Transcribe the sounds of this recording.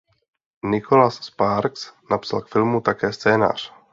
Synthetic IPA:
nɪkʰolasːpaɾksnapsalkfɪlmut̪akɛːst͡sɛːna̰ːr̝̥

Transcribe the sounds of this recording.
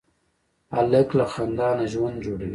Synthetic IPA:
aləklaxand̪ɑːnaʒwand̪d͡ʒoːɽawi

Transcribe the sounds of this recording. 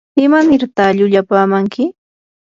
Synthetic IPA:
ɪmanɪɾt̪aʎʊʎapaːmaŋkɪ

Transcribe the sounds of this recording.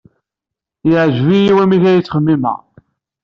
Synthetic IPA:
jəʕʒvijiwæmiʝæjət͡sːχəmːimə̰ʁ

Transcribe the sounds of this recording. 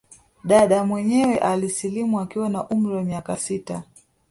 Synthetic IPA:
ɗaɗamwɛɲɛwɛʔalisilimuakiwanaʔum̩ɾiwamiakasita

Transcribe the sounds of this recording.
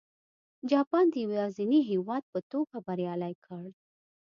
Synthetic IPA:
d͡ʒɑpɑnd̪əjwɑziniɦewɑd̪̚pət̪oɡabaɾjɑlajkʰəɽ

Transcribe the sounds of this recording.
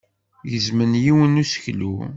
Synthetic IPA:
jəzmənjiwənusə̥çlṵ

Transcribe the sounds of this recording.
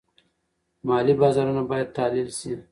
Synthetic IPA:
mɑlibɑzɑɾunabɑjad̪̚t̪ɑlilsi

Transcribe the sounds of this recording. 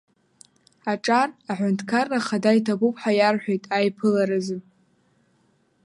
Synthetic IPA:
aʈ͡ʂʼaraħʷʊntʰkʰarːaχadajtʰabupʰʼħajarħʷᶣejtʼajpʰɨlaɾɨzɨn

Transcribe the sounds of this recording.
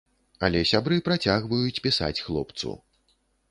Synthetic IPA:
ɐ̰lʲɛsʲabɾɨpɾat͡sʲaɣvɐjut͡sʲpʲisa̰t͡sʲxlˠɔ̰pt̪sṵ

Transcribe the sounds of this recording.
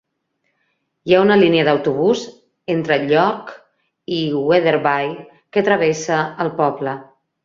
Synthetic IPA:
jaunəliniəðəwt̪uβ̞uz | ent̪ɾəʎɔk | iweðeɾβaj | kət̪ɾəβ̞esəːlˠpɔβlə

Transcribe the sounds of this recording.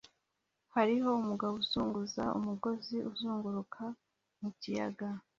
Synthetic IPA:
haɾiɦo̞umuɡawuzuːŋɡuza̰ṵmuɡo̞ziʔuzuːŋɡuɾukʰa | mucija̰ɡa

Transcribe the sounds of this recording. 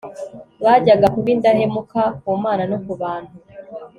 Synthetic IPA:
βaɟaɡakuβindahemukakumaːnanokuβaːn̥hu

